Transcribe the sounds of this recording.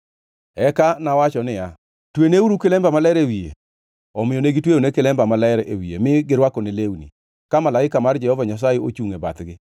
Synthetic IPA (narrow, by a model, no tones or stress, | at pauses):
ɛkanawat͡ʃɔnɪja | tweneuɾukɪlɛmbamalɛɾewiḛ | ɔmɪjɔneɡitwejonekɪlɛmbamalɛɾewiḛmɪɡɪɾwakɔnelewnḭ | kamalaɪkamard͡ʒɛhɔvaɲas̬ajeot͡ʃuŋeba̰t̪ɡɪ